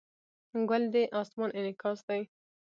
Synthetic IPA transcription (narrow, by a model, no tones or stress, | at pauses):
ɡald̪eʔɑsmɑnʔɪnɪkɑsd̪aj